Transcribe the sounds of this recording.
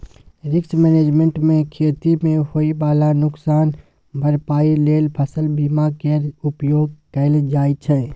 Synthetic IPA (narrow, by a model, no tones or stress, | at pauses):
ɾɪksmɛneːd͡ʒmẽɳʈmẽkʰeːt̪imẽhoibaːlanʊksaːn | bʱəɾpaːileːlpʰəsəlbiːmakeɾʊpjoːɡ̚kəɪld͡ʒaːit͡ʃʰɛ